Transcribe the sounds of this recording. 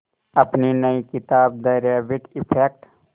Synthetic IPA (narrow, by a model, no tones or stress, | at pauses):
ɐpninəikɪt̪aːb̚d̪ɐɾaːʋɪʈɪpʰeːk̚ʈ